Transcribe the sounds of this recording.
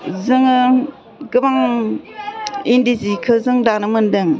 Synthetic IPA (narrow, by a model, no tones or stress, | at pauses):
zɯŋɯ | ɡɯbaŋ | indizikʰɯzɯŋdanɯmɯndɯŋ